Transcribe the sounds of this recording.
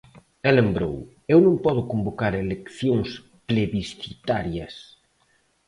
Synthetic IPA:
elembɾo̰w | ewnõŋpɔð̞ʊkombokaɾelekθjoŋs | pɾeβisθit̪aɾjɐs

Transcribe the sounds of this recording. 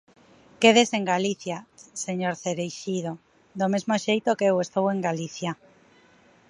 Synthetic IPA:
keð̞eseŋɡaliθjaseɲoɾθeɾejʃiðo | d̪omezmoʃejt̪okeewest̪oweŋɡaliθja

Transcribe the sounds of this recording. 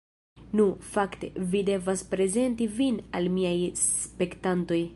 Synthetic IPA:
nufakte̞̰vide̞vaspɾe̞ze̞ntivinalmiajspe̞ktanto̞j

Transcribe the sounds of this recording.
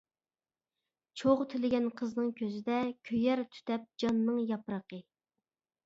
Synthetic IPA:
t͡ʃʰoʁt̪ʰɪlɪɡʲɛnqʰəznɨŋkʲʰøzɪd̪ɛkʲʰøjɛɾt̪ʰy̥t̪ɛp̚d͡ʒɑnːɨŋjɑpɾəqə

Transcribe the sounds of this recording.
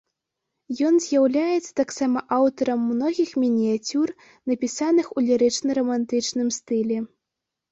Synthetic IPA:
jɔnzʲjawlʲajɛt̪sːɐ̥t̪aksamɐʔawt̪ɐɾɐmːnɔɣʲixmʲinʲiat͡sʲur | nɐpʲisanɨxulʲɛɾɨt͡ʂnɐɾɐmant̪ɨt͡ʂnɨmst̪ɨlʲɛ

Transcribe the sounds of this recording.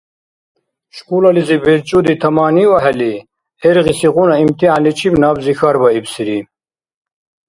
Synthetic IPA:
ɕkulalizibeɾt͡ɕud̪it̪ʰɐmaːniwɐɦɐli | eɾɣisiʁunaimt̪ialit͡ɕʰibnaːbzixaɾbɐibsiɾi

